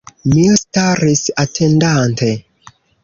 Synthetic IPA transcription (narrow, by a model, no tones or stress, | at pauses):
mistaɾisatʰendantʰe